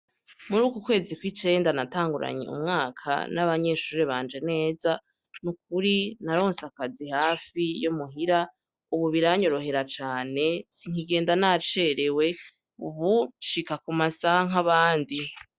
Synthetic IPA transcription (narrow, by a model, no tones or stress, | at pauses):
muɾuːkukwe̞ːzikwit͡ʃe̞ːndanataːŋɡuɾa̰ɲḛṵmŋaːkʰa̰naβaɲe̞ːʃuːɾeβaːnd͡ʒe̞ne̞ːza | nuk̚uɾinaɾo̞ːnsakazihaːfijumuɦiɾa | uβuβiɾaɲo̞ɾo̞ɦe̞ɾat͡ʃaːne̞siŋ̥hiɡe̞ːndanat͡ʃeɾewe̞ | ṵβuʃikakumasaŋ̥ɦaβaːndi